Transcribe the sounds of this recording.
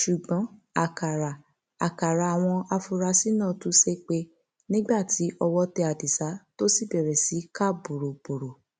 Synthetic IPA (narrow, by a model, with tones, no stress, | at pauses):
ʃu˨ɡ͡bɔ̃˨˦a˨ka˨ɾa˨ | a˨ka˨ɾa˨a˨w̃ɔ̃˧a˧fu˧ɾa˧si˦nãː˦˨tũ˨˦se˦k͡pe˧ | nĩ˦ɡ͡ba˦˨tʰi˨˦ɔ˧wɔ˧tɛ˧a˨di˨sa˨˦to˦si˦˨bɛ˨ɾɛ˨si˨˦ka˦˨bo˨ɾo˨b̥o˨ɾo˨